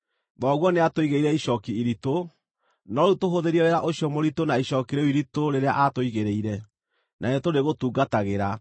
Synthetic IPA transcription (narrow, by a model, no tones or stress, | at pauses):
ðɔɣwɔneatoiɣeiɾɛiʃɔkiiɾito | nɔɾutoɦoðeɾiɛɾeɾaʔoɕjɔmoɾitonaiɕɔkiɾeoiɾitoɾeɾeaʔatoiɣeɾeiɾɛ | nʔaetoɾeɣotuːɡataɣeɾa